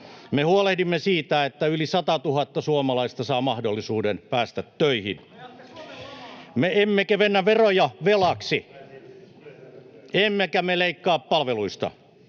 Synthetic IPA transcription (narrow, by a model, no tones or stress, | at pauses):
mehuolehdimːesiːt̪æet̪ːæylisɑt̪ɑt̪uhɑt̪ːɑsuomɑlɑist̪ɑsɑːmɑhdolːˑisuːdenpæːst̪æt̪tøihḭn | meemːekeʋenːæʋerojɑʋelɑksi | emːekæmeleikːɑːppɑlʋeluist̪ɑ̰